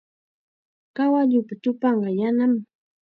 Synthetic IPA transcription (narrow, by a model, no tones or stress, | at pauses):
kawaʎʊpat̪ʊpɑɴɢɑjanam